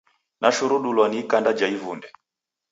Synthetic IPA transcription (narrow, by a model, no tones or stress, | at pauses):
nʔaʃuɾuɗulwaniːkandad͡ʒaivundɛ